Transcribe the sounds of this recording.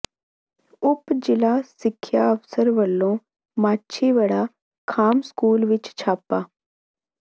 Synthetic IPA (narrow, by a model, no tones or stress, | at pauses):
ʊpd͡ʒɪlaːsɪkʰːjaəʋsəɾʋəlːõː | maːtːʃʰiʋəɽaː | kʰaːmskuːlʋɪt͡ʃt͡ʃʰaːpːaː